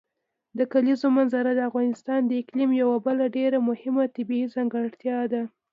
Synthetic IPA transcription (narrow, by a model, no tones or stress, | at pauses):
d̪əkalizomanzaɾad̪əafɣɑnɪst̪ɑnd̪əɪklimjawabəlaɖeɾamʊhɪmat̪ɪbiizaŋɡaɽt̪jɑd̪a